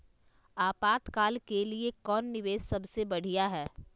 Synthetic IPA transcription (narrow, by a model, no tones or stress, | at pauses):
aːpaːt̪kaːlkeliekɔːnːɪʋeːʃsɐbsebɐɽ̤ijaɦɛː